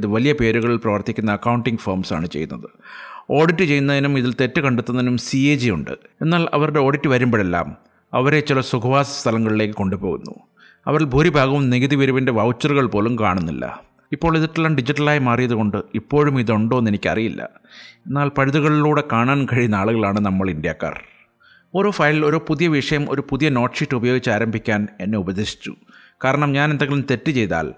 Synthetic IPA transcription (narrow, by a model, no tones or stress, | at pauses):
ðɨʋɐlijɐpe̞ːɾuɣɐɭilprɐʋɐrt̪ikʲːunːɐːkːɐwuɳʈiŋɡfɐrmsa̰ːɳɨt͡ɕejunːɐðɨo̞ːɽitːɨt͡ɕe̞jːunːɐðinumiðilt̪e̞tːɨkɐɳɖet̪ːunːɐðinumsied͡ʑijṵɳɖɨ̰e̞nːaːlɐ̰ʋɐruɽe̞o̞ːɽitːɨʋɐɾumboːelːa̰ːm | ɐʋɐɾe̞t͡ɕːilɐsukʰɐʋaːsɐ̥st̪ʰɐlɐŋːɐɭile̞ːkːɨko̞ɳɖupo̞ːɣunːṵ | ɐʋɐɾilbʱuːɾibʱaːɡɐʋumniɡiðiʋɐɾuʋinde̞ʋɐwt͡ɕːɐruɣɐɭpo̞ːlumka̰ːɳunːḭlːɐ̰ | ipːo̞ːɭiðiʈːlːɐnɖid͡ʑiʈːɐlaːjmaːrijɐðuko̞ɳɖɨipːo̞ːɻumiðo̞ɳɖoːnːenikʲːɐ̰rijilːʔɐ̰enːaːlpɐɻiðuɣɐɭiluːɽe̞kaːɳaːnkɐɻijunːaːɭuɣɐɭaːɳɨnɐmːɐɭindja̰ːkːa̰ːr | oɾufɐjlilo̞ɾupuðijɐʋiʂɐjɐmo̞̰ɾupuðijɐno̞ːʈʂiʈːubɐjoːɡit͡ɕːaːɾɐmbʱikʲːaːne̞nːeubɐðeːʂi̥t͡ɕːṵ | kaːɾɐɳɐmɲaːne̞nd̪eɐŋɡelumt̪e̞tːɨt͡ɕe̞jt̪a̰ːl